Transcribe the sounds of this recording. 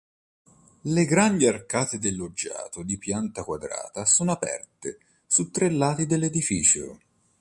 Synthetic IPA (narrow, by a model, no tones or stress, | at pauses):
leɡɾand̪iarkaːt̪ed̪elːod͡ʒːa̰ːt̪od̪ipjant̪akwad̪ɾa̰ːt̪asoːnoapɛ̰rt̪e | sut̪ːɾelːaːt̪id̪elːed̪ifiːt͡ʃo̰